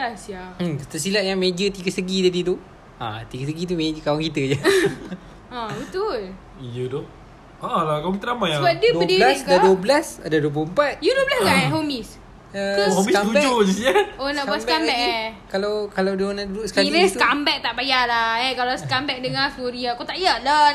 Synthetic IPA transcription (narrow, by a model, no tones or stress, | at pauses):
asjaə̥t̪asilaʔjaŋmed͡ʒət̪iɡəsəɡit̪adid̪u | a̰t̪iɡəsəɡit̪̬umed͡ʒəkawaŋkit̪əd͡ʒa | abət̪ul | ijədɔ | alakawaŋkit̪ənamajabat̪̚dəduədilasdaduəblasadaduəp̬luhəmpat̪̚juduəblasɡaɦomis | əhomiaubɛd͡ʒod͡ʒisiaonaʔbbasbkambɛkkalawkalawdunaduduʔsə̥kaiɾest̪kambɛk̚t̪aʔbajalaɛkalasə̥kambɛk̚dəŋafuɾiakot̪aʔijala